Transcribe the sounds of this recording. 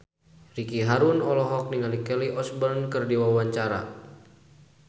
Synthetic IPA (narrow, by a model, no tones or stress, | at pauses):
rikiɦaɾunɔlɔɦɔk̚niŋalikɛliʔɔsbərnkɨrdiwawaɲt͡ʃaɾa̰